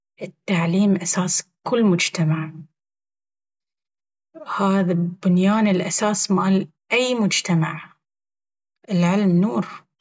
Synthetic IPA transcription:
ʔɪt̪ːaʕliːmʔasaːskʊlːmʊd͡ʒt̪amaʕ | haːðabʊnjaːnɪlʔasaːsmaːl | ʔajmʊd͡ʒt̪amaʕ | ʔɪlʕɪlmnuːɾ

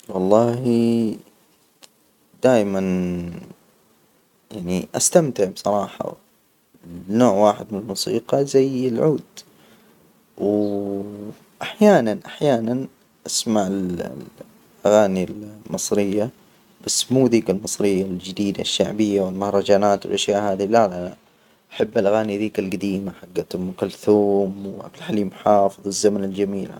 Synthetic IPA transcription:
wɑlˤːɑːhi | d̪̥aːʔman | jaʕniʔast̪amt̪ɪʕbsˤɑɾˤɑːħɑ̰ | noːʕwaːħɪd̪mɪnɪlmusiːqɑzajɪlʕuːd̪ | w | ʔaħjaːnanʔaħjaːnan | ʔasmaʕɪl | ʔaɣaːnilmɨsˤɾɪjːa | b̥asːmuːd̪iːkalmɨsˤɾɪjːald͡ʒɪd̪iːd̪aʃːaʕbɪjːawɪlmahɾˤɑd͡ʒaːnaːt̪wɪ̰lʔaʃjaːʔhaːðilala | ʔaħabːalʔaɣaːniðiːkalɡad̪iːmaħaɡːat̪ʊmkalθuːmwʔa̰ɡlħaliːmħɑːfɨðˤwɪzːamanɪld͡ʒamiːla

